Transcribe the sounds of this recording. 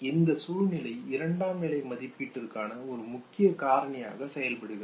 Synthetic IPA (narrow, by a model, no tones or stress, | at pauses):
ɪnd̪ɐsuːɻnɪlɐɪɪɾɐɳɖaːmɪɭɐɪmɐðɪpːɪʈːɪɾɯkːaːnɐɔɾɯmʊkːɪjɐkaːɾɐɳɪja̰ːɣɐsɛjɐlpɐɽɯɣɪɾ